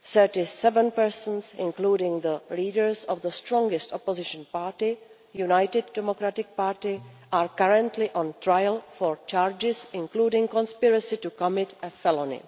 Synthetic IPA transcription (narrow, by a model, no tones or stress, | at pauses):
səɹtɪsɛvə̃npɛɹsə̃nsɪ̰̃nkluːɾɪ̃ŋðəliːdəɹsɔvðəstɹɔ̃ŋɡɪstɔpozɪʃə̃npaːɹtɪ | junajtɪdːɛmokɾatɪk̚paːɹtɪ | ʔaːɹkaɹə̃ntʰlɪʔɔ̃ntɹajlfɔɹt͡ʃaːɹd͡ʒɪsɪ̃nkluːdɪ̃ŋkɔ̃nspɪɹəsɪtukɔmɪtɛfɛlonɪ̰